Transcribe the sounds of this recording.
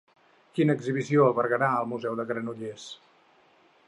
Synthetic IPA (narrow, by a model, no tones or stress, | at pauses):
kinəːɡziβisioəlˠβəɾɣəɾaəlˠmuzɛwðəɣɾənuʎes